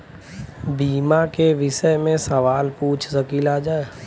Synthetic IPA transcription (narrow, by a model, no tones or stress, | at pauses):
biːmakeʋɪʃəjmẽsəʋaːlpuːt͡ʃʰsəkiːlaːd͡ʒaːe